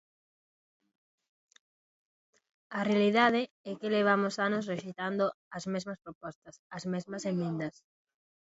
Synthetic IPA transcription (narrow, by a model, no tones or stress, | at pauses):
ɐrealiðað̞ɪ | ɛkeleβ̞amosanos̬reʃejt̪and̪o | ɐzmezmɐspɾopɔst̪ɐsɐzmɛzmɐsemẽnd̪ɐs